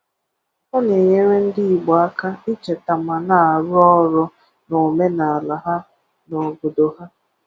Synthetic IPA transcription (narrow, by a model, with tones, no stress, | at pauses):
ɔ˦ne˨ɲe˦ɾe˦n̩˦di˦i˨ɡ͡bɔ˨a˦ka˦i˦t͡ʃe˨ta˨ma˨na˨a˨ɾʊ˦ɔ˦ɾʊ˦ | no˨me˦na˨a˨la˨ɦa˦ | nɔ˨ɡʊ˨do˨ɦa˦